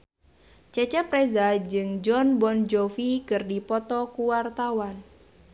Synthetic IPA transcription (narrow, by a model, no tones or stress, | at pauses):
t͡ʃɛt͡ʃɛpɾezad͡ʒɨŋd͡ʒɔnbɔnd͡ʒofikɨrdipɔt̪ɔkuwart̪awan